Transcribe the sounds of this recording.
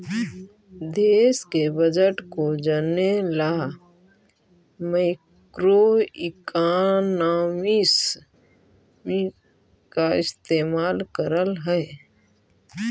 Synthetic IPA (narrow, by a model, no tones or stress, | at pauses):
d̪eːskebəd͡ʒəʈkod͡ʒənelaː | maɪkkɾoɪkaːnaːmis | mi | kaɪst̪eːmaːlkəɾəlɦɛ